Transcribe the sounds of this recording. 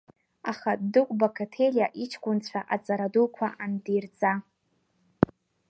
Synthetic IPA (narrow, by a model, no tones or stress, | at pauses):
aχadɨkʷʼbokʰatʰelʲjaʔit͡ʃʰkʷʼʊnt͡ɕʷʰaʔat͡sʼaɾadulkʷʰaʔandirt͡sʼa